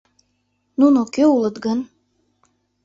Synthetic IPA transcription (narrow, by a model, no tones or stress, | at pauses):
nunokøulˠɤ̆t̪ɡən